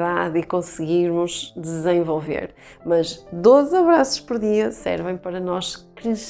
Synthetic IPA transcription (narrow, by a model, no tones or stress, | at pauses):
ðaðikõsɨɣiɾmʊʒd̪ɨzẽvolˠvḛɾ | mɐʒd̪ozɐβɾasu̥ʃpɔɾðiɐsɛ̰ɾvɐ̃j̃pɐɾɐnɔʃkɾɨʃ